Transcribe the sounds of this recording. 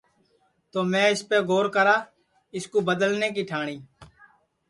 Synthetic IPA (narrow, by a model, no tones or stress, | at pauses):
t̪oːmɛ̃ːɪspeːɡʱoːɾkəɾaː | ɪskoːbəd̪əlneːk̬iːʈʰaːɳiː